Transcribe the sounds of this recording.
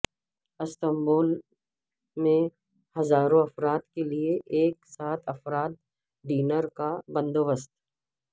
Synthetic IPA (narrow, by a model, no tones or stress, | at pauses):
ɪst̪əmboːl | mẽ | hɐzaːɾõɐfɾaːt̪kelieʔeːksaːt̪ʰɐfɾaːt̪̚ | ɖiːnəɾkabɐ̃nd̪oːbəst̪